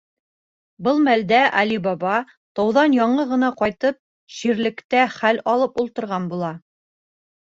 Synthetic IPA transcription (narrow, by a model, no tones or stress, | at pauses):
bɤlˠmæld̪æʔæ̰libɑβɑ | t̪ɑwðɑnjɑɴɤʁɤ̆nɑqɑjt̪ɤp̚ | ʃiɾlɘ̆kt̪æχælɑlˠɤpulˠt̪ɤ̆ɾʁɑnbulˠɑ